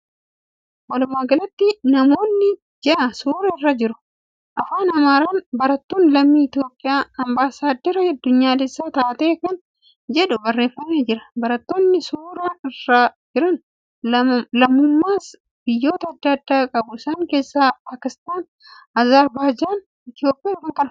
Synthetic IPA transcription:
wɐlʊmːaːɡɐlɐt̪ːɪnɐmo̞ːnːɪ | d͡ʒɛʔɐsuːɾɐɪrːɐd͡ʒɪɾʊ̥ | ʔɐfaːnɐmaːɾaːnbɐɾɐt̪ːoːnlɐmːiːɪt̪jo̞ːpʼːɪjaːɐmbaːsaːd̪ːɛɾɐɐd̪ːʊɲːaːlɛsːaːt̪aːt̪eːkɐn | d͡ʒɛᶑʊbɐrːe̞ːfːɐneːd͡ʒɪɾɐ̥bɐɾɐt̪ːoːnːɪsuːɾaːɪrːad͡ʒɪɾɐn | ɐlɐmːʊmːaːs | b̥ɪjːo̞ːt̪ɐːd̪ːɐːd̪ːaːkʼɐbʊsɐŋke̞ːsːaːpaːkɪst̪aːn | ɐzaːɾbaːd͡ʒaːn | ɪt̪ɪjo̞ːpʼɪjaːfɐŋkɐnɐ

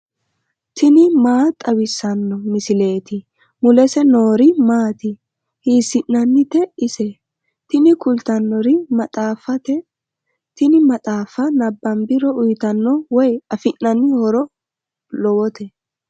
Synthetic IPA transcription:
t̪ʰɪnɪmaːt̪ʼɐwɪsːɐnːɔmɪsɪle̞ːt̪ɪ | mʊlɛsɛnoːɾɪmaːt̪ɪ | hiːsɪnːɐnːɪt̪ɛɪsɛ | t̪ɪnɪkʊlt̪ɐnːɔɾɪmɐt̪ʼaːfɐt̪ɛ | t̪ɪnɪmɐt̪ʼaːfɐnɐbːɐmbɪɾɔʊjt̪ɐnːɔwɔjɐfɪnːɐnːɪhɔɾɔ | lɔwɔt̪ʰɛ

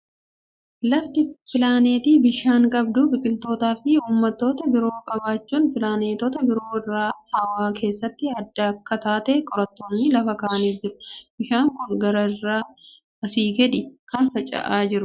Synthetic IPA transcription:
lɐft̪ɪpɪlaːne̞ːt̪iːbɪʃaːŋkʼɐbd̪ʊbɪkʼɪlt̪o̞ːt̪aːfɪuːmːɐt̪ːo̞ːt̪ɐbɪɾo̞ːkʼɐbaːt͡ʃːuːnfɪlaːneːt̪ɔːt̪ɐbɪɾo̞ːɪrːaːhɐwaːkʰe̞ːsːɐt̪ːɪɐd̪ːɐɐkːɐt̪aːt̪eːkʼɔɾɐt̪ːoːnːɪlɐfɐkaːʔɐniːd͡ʒɪɾʊ̥bɪʃaːŋkʊŋɡɐɾɐrːaː | ɐsiːɡɛᶑɪkɐnfɐt͡ʃʼɐ̰ʔaːd͡ʒɪɾʊ

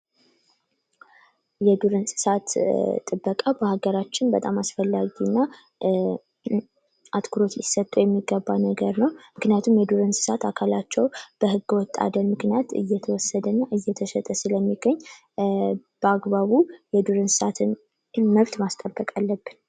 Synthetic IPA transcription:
jɛd̪uɾɨnsʼɨ̥sat̪t̪ʼːɨbːəkʼabəhaɡəɾat͡ʃːɪnbət̪ʼamasfəlːaɡinːa | at̪kʰuɾo̞t̪jɪsːət̪ʼajɛmːiɡːəbːanəɡəɾnəwmɨknijat̪ʰumjɛd̪uɾɨnsɨ̥sat̪akʰalat͡ʃːɛwb̥əhɨɡːəwɔt̪ʼːa̰d̪ənmɨknijat̪ɨ̰jːɛt̪ʰəwɔsːəd̪ənːaʔɨjːɛt̪ʰəʃɛt̪ʼəsɨləmːiɡəɲː | b̥əaɡβaβujɛd̪uɾɨnsɨ̥sat̪ʰɨn | məβt̪mast̪ʼəbːəkʼalːəbːɨn

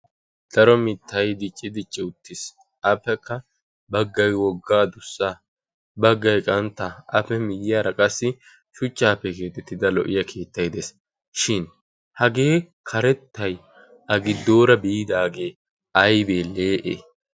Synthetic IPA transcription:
d̪̥ɐɾɔmɪt̪ʰːɐjd̪ɪt͡ʃʼːɪd̪ɪt͡ʃʼːɪʊt̪ːɪs | ʔɐpːɛkːɐ | bɐɡːɐjwɔɡːaːd̪ʊsːa | bɐɡːɐjkʼɐnt̪ːɐʔɐpɛmɪjɪjaːɾɐkʼɐsːɪ | ʃʊt͡ʃʼːaːpːɛke̞ːt̪ɛt̪ːɪd̪ɐlɔʔɪjɐkʰe̞ːt̪ːɐjd̪es | ʃɪn | hɐɡe̞ː | kʰɐɾɛt̪ːɐj | ʔɐɡɪd̪ːo̞ːɾɐbiːd̪aːɡe̞ː | ʔɐjbe̞ːle̞ːʔḛ

